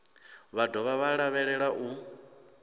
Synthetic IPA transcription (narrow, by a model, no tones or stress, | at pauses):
βadɔβaβaɺaβɛɺɛɺaʔu